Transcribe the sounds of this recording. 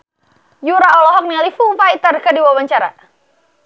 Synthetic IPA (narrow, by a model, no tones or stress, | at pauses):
juɾaɔlɔɦɔk̚nialifufajt̪ərkadiwawaɲt͡ʃaɾa̰